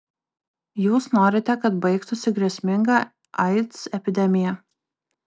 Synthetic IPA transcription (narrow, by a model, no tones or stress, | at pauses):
juːsnoːɾʲɪt̪ʲɛkɐt̪bɐɪkt̪ʊsʲɪɡɾʲiɛsʲmʲɪŋɡɑː | ɐɪt̪sɛpʲɪd̪ʲɛmʲɪjɛ